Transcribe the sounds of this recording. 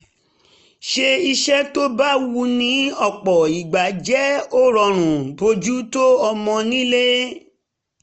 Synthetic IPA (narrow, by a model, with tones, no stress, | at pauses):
ʃe˧i˧ʃɛ˦to˦ba˦wu˧nĩ˨˦ɔ˦˨k͡pɔ˨i˨ɡ͡ba˨˦d͡ʒɛ˦o˦ɾɔ˨˧ɾ̃ũ˨bo˧d͡ʒu˦to˦ɔ˧mɔ̃˧nĩ˦le˦